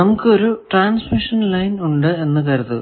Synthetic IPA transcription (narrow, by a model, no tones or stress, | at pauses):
nɐmukːɨo̞ɾuʈraːnsmiʂɐnlɐjnuɳɖɨe̞nːɨkɐɾut̪ːu